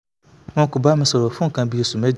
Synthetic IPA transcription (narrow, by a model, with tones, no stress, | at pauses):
mɔ̃˦kʊ˨ba˦mɪ̃˦sɔ˨ɾɔ˨fʊ̃˦ŋ̩˨kʰã˨bi˦e˨su˨mɛ˦d͡ʑ